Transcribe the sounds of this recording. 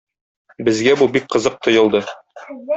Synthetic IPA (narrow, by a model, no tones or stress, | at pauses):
bɘ̆zɡæbubik̚qɤ̆zɤq̚t̪ŏjɤ̆lˠd̪ɤ